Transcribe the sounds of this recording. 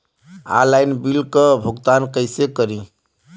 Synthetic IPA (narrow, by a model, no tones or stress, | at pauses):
a̰lajnbilkəbʱuɡt̪ankəɪsekəɾĩ